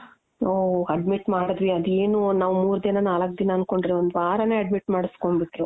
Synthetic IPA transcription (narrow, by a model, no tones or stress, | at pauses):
oːɐɖmiʈmaːɽɐd̪ʋiɐd̪ue̞ːnunaːʋumuːɾud̪inɐnaːlɐk̚ːd̪inɐːnko̞ɳɖɾeond̪uʋaːɾɐneːɐɖmiʈmaːɽisko̞ɳbiʈːɾu